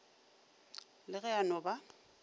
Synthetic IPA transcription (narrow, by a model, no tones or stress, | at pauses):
lɪɣɛanɔba